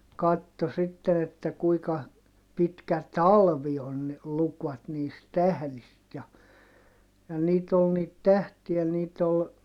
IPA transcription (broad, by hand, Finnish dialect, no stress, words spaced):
kɑtːo sitːen etːæ kuikɑ pitkæ tɑlʋi on ne lukʋɑt niːst tæhlist jɑ jɑ niːt ol niːt tæhtiæ niːt ol